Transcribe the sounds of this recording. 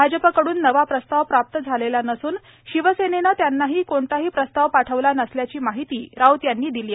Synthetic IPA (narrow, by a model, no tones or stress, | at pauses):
bʱad͡ʑəpakəɽuːnːəʋapɾəst̪aʋpɾap̚t̪əd͡zʱalelanəsuːn | ɕiʋəsenenat̪janːaɦiːkoɳt̪aɦiːpɾəst̪aʋpaʈʰəʋlanəsljat͡ɕiːmaɦit̪iːɾawt̪janːiːd̪iliːa